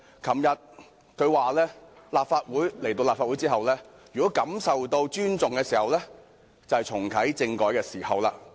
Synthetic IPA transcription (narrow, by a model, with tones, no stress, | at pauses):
kʰɐ˨˩mjɐ˨t̚ | kʰɵ˨˧ɥwaː˨lɛː˥ | laː˨p̚faː˧t̚wuː˨˥jle˨˩jt̪o˧wlaː˨p̚faː˧wu˨˥t͡siː˥ɦɐ˨wlɛː˥ | jyː˨˩kɔː˨˥kɐ˨˥msɐ˨wt̪o˧wt͡ʃyː˥nt͡sʊ˨ŋkɛː˧siː˨˩hɐ˨˧wlɛː˥ | t͡sɐ˨whɐ˨jt͡sʰʊ˨˩ŋkʰɐ˨˥jt͡sɪ˧ŋkɔː˨˥jkɛː˧siː˨˩hɐ˨wlaː˧